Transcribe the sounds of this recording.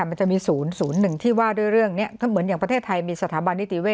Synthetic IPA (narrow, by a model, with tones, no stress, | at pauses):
ma˧nt͡ɕa˨ʔmiː˧suː˩˦nsuː˩˦nːɯ˨˩ŋt̪ʰiː˥˩waː˥˩du˥˩əjɾɯ˥˩əŋni˦˥˩ɐkʰːmɯ˩˦nja˨˩ŋpɾa˧t̪ʰeː˥˩t̪ʰːa˧jmiː˧sa˧t̪ʰaː˩˦ba˧nːi˦˥t̪i˧˦weː˥˩